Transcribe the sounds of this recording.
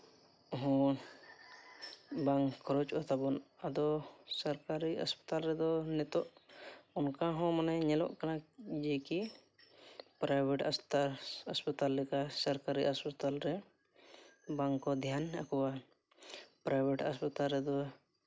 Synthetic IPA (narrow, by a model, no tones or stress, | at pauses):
ɔɦɔ̃ | baŋkʰɔɾɔt͡ʃat̪abɔnad̪ɔsaɾkaɾiɦɔ̰spɔ̥t̪alɾɛd̪ɔnɛt̪ɔʔɔnkaɦɔ̃manɛɲɛlɔ̰ʔkanad͡ʒɛki | pɾajbʱɛʈast̪aɔ̰spat̪alːɛkasaɾkaɾiɔspɔt̪alɾɛ | baŋkɔd̪ʱjana̰kɔwa | pɾajbʱeʈaspɔt̪alɾɛd̪ɔ